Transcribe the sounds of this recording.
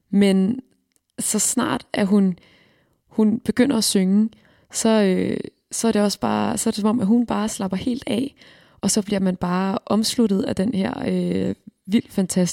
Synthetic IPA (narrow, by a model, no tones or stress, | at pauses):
men | sɒ̽snɑ̰̈ːd̥ʔæɐɦun | hunb̥e̝ɡ̥øn̰ɐæsøŋə | sɒ̽ø | sɒ̽æɐɾ̥e̝ɒ̽sb̥ɑ̈ːsɒ̽æɐ̥e̝sɒ̽mɒ̽m̰ʔæɦunb̥ɑ̈ːslɑ̈b̥ɐhe̝̰ːld̥ɛ̰ | ʔɒ̽sɒ̽b̥liɐmænb̥ɑ̈ːʔɒ̽mslud̥ð̞̩ˠæd̥enheɐ̰øʋil̰d̥fænt͡sʰæs